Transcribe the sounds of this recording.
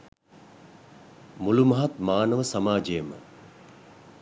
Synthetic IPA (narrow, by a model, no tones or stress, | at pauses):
mulumɐɦat̪maːnəʋəsamaːd͡ʒejəmə̰